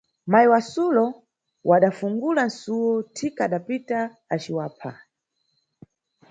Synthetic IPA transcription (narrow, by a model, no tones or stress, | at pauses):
majiwasulɔ | wʔaɗafuŋɡulan̩suwɔtʰikaɗapitaː | t͡ʃiwaːpʰa̰